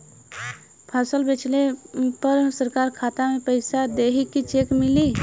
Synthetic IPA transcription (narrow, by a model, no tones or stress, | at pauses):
pʰasəlbet͡ʃlepəɾsəɾkaɾkʰat̪amepəɪsad̪eɦikːit͡ʃekmili